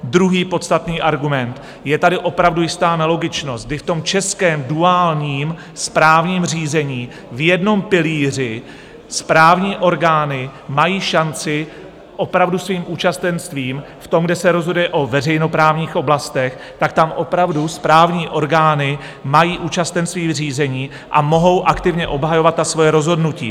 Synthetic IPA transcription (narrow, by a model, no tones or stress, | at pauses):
d̪ɾuɦiːpo̞t̪st̪at̪niːʔaɾɡumɛnt̪ | jɛt̪adɪʔo̞pɾavdujɪst̪aːnɛlo̞ɡɪt͡ʃno̞st̪̚ɡ̚dɪft̪o̞mt͡ʃɛskɛːmduaːlɲiːm | spɾaːvɲiːmr̝iːzɛɲiː | vjɛdno̞mpɪliːr̝ɪ | spɾaːvɲiːʔo̞ɾɡaːnɪmajiːʃant͡sɪ | ʔo̞pɾavdusviːmʔuːt͡ʃast̪ɛnst̪viːm | ft̪o̞mɡdɛsɛɾozɦodujɛʔo̞vɛrɛjno̞pɾaːvɲiːxʔo̞blast̪ɛx | t̪akt̪amʔo̞pɾavduspɾaːvɲiːʔo̞ɾɡaːnɪ | majiːʔuːt͡ʃast̪ɛnst̪viːriːzɛɲiː | ʔa̰mo̞ɦo̞wʔakt̪ɪvɲɛʔo̞bɦajo̞vat̪̚ːasvo̞jɛɾo̞zɦo̞dnucḭː